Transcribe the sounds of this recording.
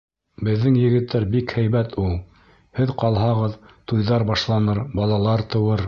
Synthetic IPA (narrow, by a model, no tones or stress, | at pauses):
bɘ̆ðːɘŋjɘ̆ɡɘ̆t̪ːæɾbikhæjβæt̪ʰulˠ | hɘðqɑlˠɦɑʁɤð | t̪ujðɑɾbɑʃlˠɑnɤɾbɑlˠɑlˠɑɾt̪ɤ̆wɤɾ